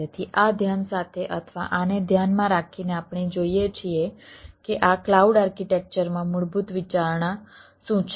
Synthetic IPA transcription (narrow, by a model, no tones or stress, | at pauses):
et̪ʰiʔad̪ʱjansat̪ʰeʔət̪ʰəʋa̰ʔaned̪ʱjanmãɾakʰineapɳid͡ʒoijet͡ʃʰiekeʔaklauɖaɾkiʈek̚t͡ʃəɾmãmuɭbut̪ʋit͡ʃaɾɳã | sũt͡ʃʰ